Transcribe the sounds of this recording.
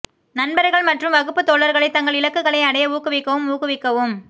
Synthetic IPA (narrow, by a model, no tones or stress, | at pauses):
nɐnbɐɾɐɪɣɐɭmɐʈrɯmʋɐɣɯpːɯt̪ːoːɭɐɾɣɐɭɐɪt̪ɐŋɡɐɭɪlɐkːɯɣɐɭɐɪɐɽɐjɐuːkːɯʋɪkːɐʋɯmuːkɯʋɪkːɐʋɯm